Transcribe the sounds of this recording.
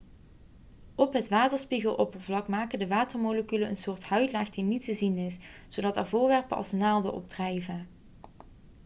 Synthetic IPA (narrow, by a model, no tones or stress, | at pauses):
ɔpɦətʋaːtəɹspiɣəlˠʔɔpəvlɑkmaːkəndəʋaːtəɹmoləkyləənsʊːɹthœɥtlaːxdinitəzinɪsz̥odɑtaːɹvʊːɹʋɛɹpəɑ̰lˠsnaːlˠdə̰ʔɔ̰b̚drɛjvə